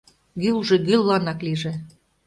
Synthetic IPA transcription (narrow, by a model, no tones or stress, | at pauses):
ɡylʒĕɣylːɑnɑkliʒĕ